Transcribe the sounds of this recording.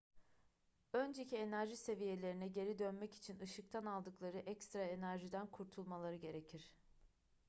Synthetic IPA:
ønd͡ʒe̞cʰie̞næɾʒise̞vije̞lʲe̞ɾinɛɟe̞ɾid̪ønmɛci̥t͡ʃʰinɯʃɯk̚t̪ʰanalˠd̪ɯklˠaɾɯʔɛcst̪ɾae̞næɾʒid̪ænkʰuɾt̪ʰulˠmalˠaɾɯɟe̞ɾe̞cʰiɾ̥

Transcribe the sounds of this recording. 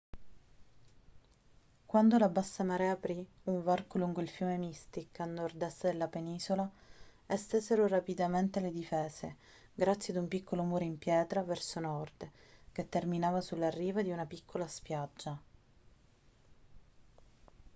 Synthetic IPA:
kwand̪olabasːamaɾɛapɾi | uɱvarkoluŋɡoilfjuːmemist̪ikːanːord̪ɛst̪ːed̪elːapeniːzolaest̪ezeɾoɾapid̪ament̪eled̪ifɛːze | ɡɾat̪sːjead̪umpikʰːolomuːɾeimpjɛːt̪ɾavɛrsonɔrd̪ket̪ːerminaːvasulːarːiːvad̪iunapikʰːolaspjad͡ʒːa

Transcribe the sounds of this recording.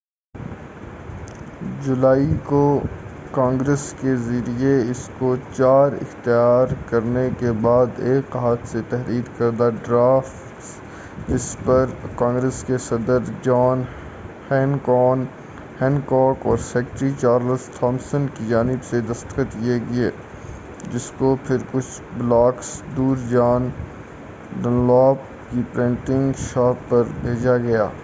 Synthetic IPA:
d͡ʒʊlaːikokãːŋɡɾəskezɐɾieɪskot͡ʃaːɾɪ̰xt̪ijaːɾkɐɾnekebaːd̪eːkɦaːt̪set̪ɛɦɾiːd̪kɐɾd̪aɖɾaːfʈ | d͡ʒɪspɐɾkãːŋɡɾeskesɐd̪əɾd͡ʒɔːn | hɛ̃ːnkɔːn | hɛ̃ːnkɔːkɔːɾsɛːkʈɾit͡ʃaːɾləsʈʰɔːmsənkid͡ʒaːnɪbsed̪ɐst̪qət̪kieɡɐeː | d͡ʒɪskopʰɪɾkʊt͡ʃʰ | blaːksd̪uːɾd͡ʒaːn | ɖə̃nlɔːp | kipɾẽːɳʈɪ̃ŋɡʃaːpːɐɾbʱeːd͡ʒaɡɐja̰ː

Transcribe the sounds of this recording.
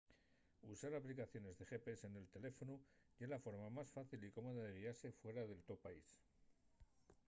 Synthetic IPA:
usaɾaplikaθjo̞ne̞zðe̞xe̞pese̞ne̞lt̪e̞le̞fo̞nu | ʝelafo̞ɾmamasfaθiliko̞moðaðe̞ɣ̞iaɾse̞fwe̞ɾaðe̞lt̪opaḭs

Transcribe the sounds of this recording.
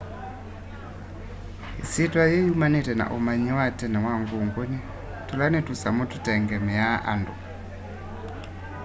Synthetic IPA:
ḭsitwajejumanitɛna̰ʔumaɲiwatɛnawaŋɡuŋɡoni | tulanitusamututɛŋɡɛmijaa̰ndṵ

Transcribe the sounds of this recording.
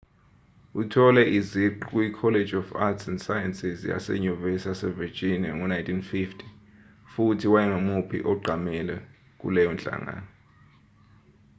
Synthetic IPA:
utʰɔlɛʔiziǃukʼuikʰɔled͡ʒɔfa̰tsɛnsajɛnsizja̰sɛ̰ɲuvɛsasɛvid͡ʒiniaŋɔnajntʰʼinfiftʰi̥ | futʰiwajɛŋomupʰḭʔɔɡ͡ǃʱamɛlɛ | k̬ʼṵlɛjɔnt͡ɬʼa̰ŋa̰ːnɔ

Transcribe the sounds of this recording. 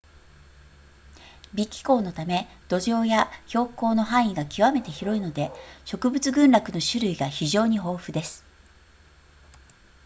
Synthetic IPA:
bʲikʲːi̥ko̞ːno̞t̪ame̞ | d̪̥o̞ʑo̞ːjaço̞ːko̞ːno̞ɦãɰ̃iɡakʲiβame̞t̪e̞çiɾo̞ino̞d̪e̞ɕo̞kɯ̟bɯt͡sɨɡɯ̟̃nɾakɯ̟no̞ɕɨɾɯ̟iɡaçiʑo̞ːɲ̟iɦo̞ːɸɯ̟d̪e̞sɨ̥

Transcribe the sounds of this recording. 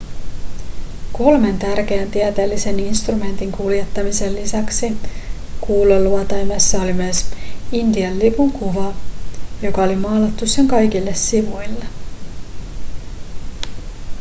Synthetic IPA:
ko̞lme̞nt̪ærk̟e̞ænt̪iæt̪eːlːise̞ninst̪rume̞nt̪iŋkulje̞t̪ːɑmise̞lːisæksi | kuːlolːuɑt̪ɑjmesːɑo̞limyæsind̪iɑlːipuŋkuʋɑjo̞kɑo̞limɑːlɑt̪ːusːe̞ŋkɑjk̟ilːe̞sːiʋujlːe

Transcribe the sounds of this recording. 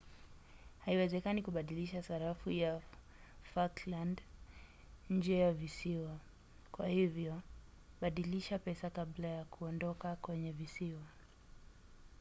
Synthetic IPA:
haiwɛzɛkanikuɓaɗiliʃasaɾafuja | fakland | ɲ̩d͡ʒɛjavisiwa | kwahivjɔ | ɓaɗiliʃapɛsakaɓlajakʰuɔndɔkakwɛɲɛvisiwa

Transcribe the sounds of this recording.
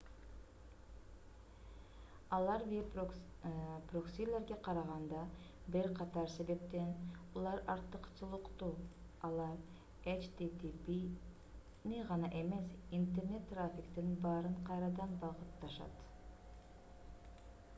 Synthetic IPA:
ɑlˠɑɾbi | proksʲilʲːe̞ɾɡeqʰɑɾɑʁɑnd̪ɑ | biɾqʰɑt̪ɑɾse̞βe̞p̚t̪e̞nulˠɑɾɑɾt̪ɯqt͡ʃɯlˠɯqt̪u | ɑlˠɑɾ | et͡ʃt̪it̪ipi | niʁɑnɑʔe̞me̞sint̪e̞rne̞t̪ːrafʲɪkt̪inbɑːɾɯɴqʰɑjɾɑd̪ɑnbɑʁɯt̪ːɑʃɑ̰t̪

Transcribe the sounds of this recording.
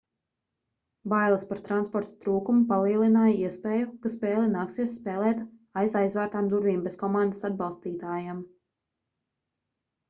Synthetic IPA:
bajlˠaspaɾt̪ɾanspɔɾt̪ḁt̪ɾuːkumupalˠiɛlˠinaːjaiɛspeːjukaspɛːlˠɛnaːksiɛsːpɛːlˠɛːt̪ajzajzvæːɾt̪aːmd̪uɾviːmbeskɔmɑnd̪asad̪̚bɑlˠst̪iːt̪aːjam

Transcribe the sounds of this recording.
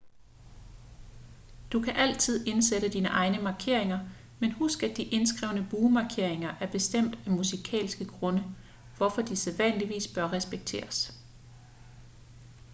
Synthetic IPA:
d̥ukʰæʔæl̰t͡sʰið̞̰ˠe̝nseɾəd̥iːnəʔɑ̈ɪnəmɑ̈kʰe̝ɐ̰e̝ŋɐ | menhusɡ̥əæd̥iʔe̝nsɡ̥ʁɛʊ̰nəb̥uːmɑ̈kʰe̝ɐ̰e̝ŋɐʔæɐb̥e̝sd̥em̰d̥æmusikʰɛ̰ːlsɡ̥əɡ̥ʁɔ̽nə | ʋɒfɒ̽d̥iseðˠʋæn̰liʋḭːsb̥ɶɐʁɛsb̥eɡ̥̚t͡sʰḛːɐs

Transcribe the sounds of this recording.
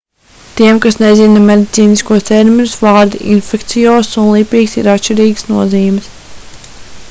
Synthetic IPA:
t̪iɛmkasnɛzinɐmed̪it̪siːniskuɔst̪eɾminusvɑːɾd̪ḭʔḭnfɛkt̪sijoːsunlˠiːpiːksḭɾat̪ʃt͡ʃiɾiːɡə̥snuɔziːmɪs

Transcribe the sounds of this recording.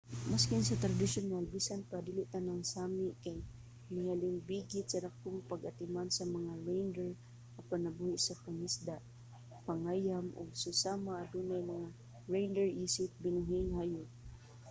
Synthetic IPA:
maskɪnsɐt̪ɾad̪ɪʃʊnalbiːsanpad̪iːlɪʔt̪anaŋsaːmɪʔkaj | nɪhalɪŋbiːɡɪt̪sɐd̪ak̚t̪ʊŋpɐɡɐt̪ɪmansɐmɐŋaɹejnd̪ɛɹ | apanɐbuhɪʔsapɐŋɪsd̪aʔ | paŋaːjamʊ̰ɡ̚sʊsamaʔːd̪uːnajmɐŋa | ɹejnd̪ɛɹʔiːsɪp̪̚bɪnʊɦɪŋhajʊ

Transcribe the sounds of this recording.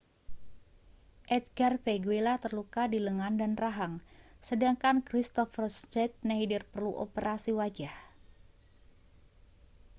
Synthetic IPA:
ʔɛt̪̚ɡarfeɡuilat̪ərlukadiləŋandanraɦaŋsədaŋkankɾist̪ɔfərst͡ʃɛt̪̚naidirpərluʔo̰pəɾʔasiwad͡ʒah

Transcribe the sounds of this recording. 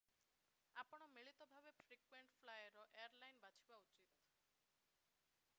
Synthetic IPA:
apɔɽ̃ɔmiɭit̪ɔbʱabefʰɾikweɳʈpʰlajɔɾɔʔeaɾlajnbat͡ʃʰibaut͡ʃit̪

